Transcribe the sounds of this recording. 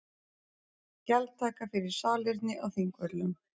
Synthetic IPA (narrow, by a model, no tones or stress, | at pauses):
calt̪ʰaːkafɪɾɪɾ̥saːlɪɾt̪nɪʔaɣθiŋkvœt̪lʏm